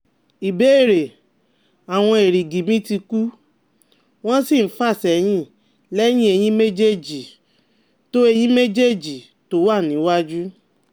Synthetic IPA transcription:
i˨be˨˦e˦˨ɾe˨ | a˨w̃ɔ̃˧e˨ɾi˨ɡi˨mĩ˦ti˧ku˦ | w̃ɔ̃˦si˦˨n̩˦fa˦˨sɛ˨j̃ĩ˦ | lɛ˦j̃ĩ˦e˧j̃ĩ˦me˦d͡ʒe˦d͡ʒi˨ | to˦e˧j̃ĩ˦me˦d͡ʒe˦d͡ʒi˨ | to˨˦wa˦˨nĩ˨˦wa˦d͡ʒu˦

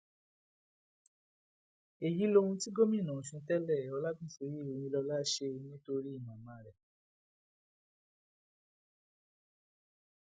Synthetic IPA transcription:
e˨ji˨˦lo˦hũ˧ti˦ɡo˦mĩ˦˨nã˨fĩ˧˦tɛ˦lɛ˦˨ɔ˧la˦bĩ˦˨so˨˦ɾi˦˨o˨ĩ˧lɔ˧la˦ʃe˦o˧ĩ˧˦to˧ɾi˦i˦˨mã˨mã˨˦ɾɛ˨

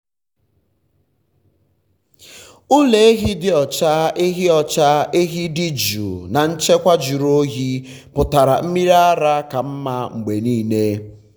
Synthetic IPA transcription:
ʊ˦le˨e˦ɦi˦dɪ˦ɔ˨t͡ʃa˦e˦ɦi˦ɔ˨t͡ʃa˦e˦ɦi˦dɪ˦d͡ʒṵ˨na˨n̩˦t͡ʃe˦kʷa˦d͡ʒu˨ɾo˦ɦi˦ | pʊ˨ta˨ɾa̰˨m̩˦mi˦ɾa˦ɾa˦ka˨m̩˦ma˦ŋ͡m̩˨ɡ͡be˨niː˦˨ne˦

